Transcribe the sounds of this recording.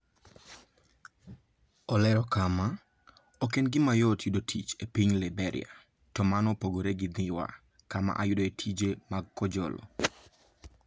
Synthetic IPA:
ɔlɛɾɔkama | ɔkenɡɪmajɔtjʊdotʰit͡ʃepiɲlibɛɾɪ̰a̰ | tɔmanɔpoɡoɾeɡɪd̪ɪwa̰ | kama̰ʔajʊdɔetʰid͡ʒemaɡkːɔd͡ʒɔ̰lɔ̰

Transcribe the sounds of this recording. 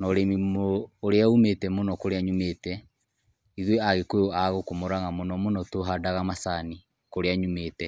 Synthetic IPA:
nɔɾemimoːɾeaumetɛmonɔkoɾeaɲumetɛ | iðweaɣekweoaɣokomoɾaɣamonɔmonɔtoɦadaɣamasani | koɾeaɲumeːtɛ

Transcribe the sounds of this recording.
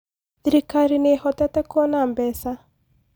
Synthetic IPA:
dɾikaɾinehɔtɛtɛkɔnambɛsa

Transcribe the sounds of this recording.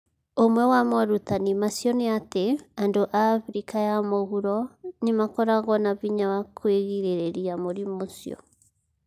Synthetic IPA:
omwɛwamɔɾutanimasjɔneateandoʔafɾikajamohuɾɔnimakɔɾaɣɔnaβiɲawakʰweɣiɾeɾeɾiamoɾimosj̰ɔ̰

